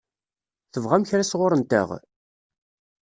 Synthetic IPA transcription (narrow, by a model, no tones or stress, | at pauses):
θəvʁæmçɾæsʁʊɾənt̪æ̰ʁ